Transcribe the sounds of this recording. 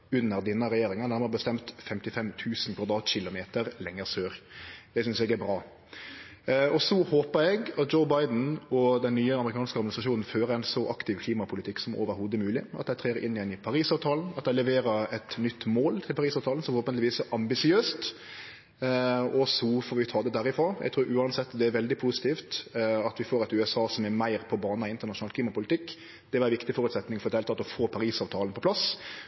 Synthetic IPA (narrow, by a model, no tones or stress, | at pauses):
ʉnːəɾd̪ɪnːɑɾɛjeːɾɪŋɑd̪æmɑɾbəst̪ɛmt̪fɛmt̪ɪfɛmt̪ʰʉːsnkʰʋɑd̪ɾɑːt̪ɕɪlʊmeːt̪əɾlɛŋːəɾsøːɾd̪ɛsʏnsɛɡæɾbɾɑː | ɔsɔhoːpəɾɛɡɑt̪̚d͡ʒoʊbɑɪd̪n̩ɔd̪ɛnːyːəɑməɾɪkʰɑːnskəɑɾd̪mɪnsɾɑʃuːnn̩føːɾəɛnsɔʔɑkt̪ɪʋkʰliːmɑpʰʊlɪt̪ʰɪkːsɔmo̰ːʋəɾhuːd̪əmʉːlɪɑt̪d̪æɪt̪ʰʁeːɾəʔɪnːɪjɛnɪpʰɑɾiːsɑːʋt̪ʰɑːln̩ɑt̪̚d̪æɪlɛʋeːɾəɾɛt̪nʏt̪ːmoːlt̪ʰɪlpɑɾiːsɑːʋt̪ʰɑːln̩sɔmɔhoːpənt̪lɪʋiːsɛɾʔɑmbɪsɪøːst̪ | ɔsɔfoːɾʋɪt̪ʰɑːd̪ɛd̪æɾɪfɾɑːjæ̰ɡt̪ʰɾʉːɾʔʉːɑnsɛt̪ːd̪ɛæɾʋɛld̪ɪpʰusɪ̥t̪ʰiːft̪ɑt̪ʋɪfoːɾɛt̪ʉɛsɑːsɔmɛmæɪɾpʰɔbɑːnɑɪnt̪əɾnɑʃʂʊnɑːlkʰliːmɑpʊlɪt̪ʰɪkː | d̪̥ɛʋɛɾʋɪkt̪ɪfɔɾʉt̪sɛt̪nɪŋfɔɾɛt̪ɛːlt̪ʰɑːt̪ɔfoːpʰɑɾiːsɑːʋt̪ʰɑːlənpʰɔplɑs